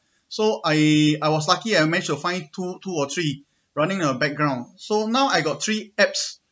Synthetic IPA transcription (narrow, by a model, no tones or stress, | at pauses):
soʔajajwɔs̬lakiamɛnɪt͡ʃtufãɪ̃ntʰutʰuɔt̪ʰɹi | ɹanɪ̃ŋtuəbɛk̚ɡɹãʊ̃nsonãʊajɡɔt̚t̪ʰɹiɛps